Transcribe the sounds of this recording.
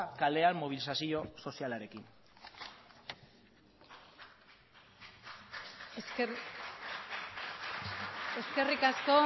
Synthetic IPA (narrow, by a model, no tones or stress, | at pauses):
kale̞anmoβ̞ilisasio̞so̞sialaɾe̞kin | eske̞rikasko̞